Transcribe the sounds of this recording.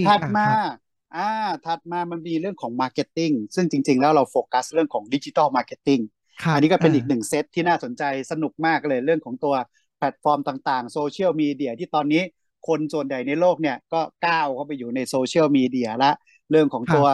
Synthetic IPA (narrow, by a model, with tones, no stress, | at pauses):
t̪ʰa˨˩t̪̚maː˧ | ʔaː˧t̪ʰa˨˩t̪̚maː˧ma˧nmiː˧ɾɯ˥˩əŋkʰɔː˩˦ŋmaː˧ke˦˥t̪ːi˥˩ŋsɯ˥˩ŋt͡ɕi˧ŋt͡ɕi˧ŋlɛː˦˥wɾa˧wfoː˧ka˦˥sɾɯ˥˩əŋkʰɔː˩˦ŋdi˦˥t͡ɕi˧t̪aː˥˩wmaː˧ke˦˥t̪ːi˥˩ŋ | ʔa˧nːiː˦˥kɔ˥˩pe˧nʔiː˨˩k̚nɯ˨˩ŋse˦˥t̪ʰːiː˥˩naː˥˩so˩˦nt͡ɕa˧jsa˧nu˨˩k̚maː˥˩k̚lɤː˧jɾɯ˥˩əŋkʰɔː˩˦ŋt̪u˧ɐ | pʰlɛ˨˩t̪̚fɔː˧mt̪aː˨˩ŋt̪aː˨˩ŋsoː˧t͡ɕʰi˥˩əwmiː˧di˧˩ət̪ʰiː˥˩t̪ɔː˧nːiː˦˥ | kʰo˧nsu˨˩ənja˨˩jna˧jloː˥˩k̚ni˥˩ɐkɔː˥˩kaː˥˩wkʰa˧˩pa˧jːuː˨˩na˧jsoː˧t͡ɕʰi˥˩əwmiː˧di˧ɐla˦˥ʔ | ɾɯ˥˩əŋkʰɔː˩˦ŋt̪u˧ɐ